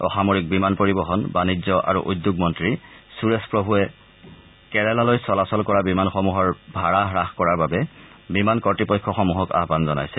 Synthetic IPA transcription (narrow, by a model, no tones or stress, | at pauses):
ɔ̰xamoɹik̚bimanpoɹibɔxɔnbanizɔʔa̰ɹṵʔud̪juɡmɔntɹisuɹespɹobʱuɛ | kɛɹɛlalojsɔlasɔlkɔɹabimanxɔmuɦɔɹbʱaɹaɦɹaxkɔɹaɹbabɛ | bimankɔtipɔjkʰːɔxɔmuɦɔka̰ɦbanzɔna̰jsɛ